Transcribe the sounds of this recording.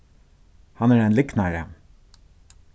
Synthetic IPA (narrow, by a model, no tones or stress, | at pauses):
hɑnæːɾæɪnlɪknaɹə